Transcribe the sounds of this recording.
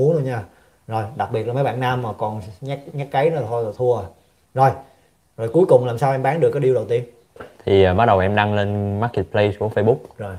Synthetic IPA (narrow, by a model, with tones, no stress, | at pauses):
u˨˦nʰo˧ɲaː˧ | zo˨˩jɗa˨˩k̚ɓi˨˩ət̚laː˨mə˨˦jɓa̰ː˧˨nːaː˧mːaː˨˩kɔ˨˩nɲa˦˥k̚ɲa˦˥k̚kə˨˦jnɨ˨˦t̪ʰo˧jzɔ˨˩t̪ʰu˧əə˨˩j | zo˨˩j | zo˨˩jku˨˦jkʊ˨˩ŋ͡mlaː˨˩msaː˧wʔɛ˧mɓaː˨˦nɗɨ˨˩əkːjɗi˧əwə˨˩wt̪i˧ən | t̪ʰi˨˩˨maː˨˦˥ɗə˨˩wʔɛ˧mɗa˧ŋle˧nmaː˦˥k̚ːe˨˩t̪̚pʰle˧jku˧˩əfə˧jɓʊ˦˥k͡p̚zo˨˩j